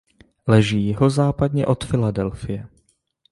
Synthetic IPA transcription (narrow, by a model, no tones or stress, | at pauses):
lɛʒiːɦozaːpad̪ɲɛʔo̞t̪fɪladɛlfɪjɛ